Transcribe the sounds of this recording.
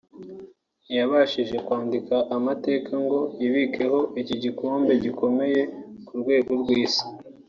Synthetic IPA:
jaβaʃiʒe̞kwaːndikaʔːmate̞ːkaŋɡo̞jiβike̞ho̞ʔiciɟikoːmbe̞ɟiko̞me̞je̞kuɾɡwe̞ːɡo̞ɾɡwiːsi̥

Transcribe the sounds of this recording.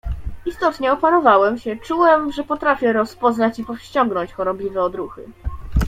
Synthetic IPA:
ist̪ɔt̪ɲɛɔpanɔvawɛmɕɛt͡ʂuwɛmʐɛpɔt̪ɾafʲjɛɾɔspɔznat͡ɕipɔfɕt͡ɕɔŋɡnɔ̃ɲt͡ɕxɔɾɔblʲivɛɔd̪ɾuxɘ̰

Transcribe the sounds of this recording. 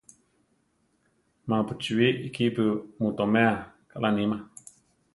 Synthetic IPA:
mãpɨt͡ʃuwiikipɨmut̪omea | kaʔlʔanĩma

